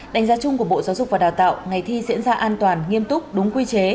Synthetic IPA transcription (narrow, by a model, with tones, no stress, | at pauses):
ɗa˨˩jŋ̟zaː˧t͡ɕʊ˧ŋ͡mku˧˩ə˩ɓo̰˧˨zaː˨˦wzʊ˨˩k͡p̚vaː˨˩ɗaː˨˩wt̪a̰ː˧˨wŋa˨˩jt̪ʰi˧zḭ˧˥ənzaː˧ʔaː˧nt̪waː˨˩nŋi˧əmt̪ʊ˦˥k͡p̚ɗʊ˨˦ŋ͡mkwi˧t͡ɕe˨˦